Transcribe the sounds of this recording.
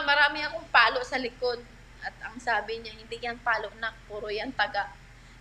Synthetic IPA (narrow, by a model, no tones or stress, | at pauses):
mɐɾaːmɪɐmoŋpaːloʔsɐlɪkod̪̚ | ʔɐt̪̚ɐŋsaːbɪɲahɪnd̪ɪjaŋpaːloʔnapuːɾojaŋt̪ɐɡa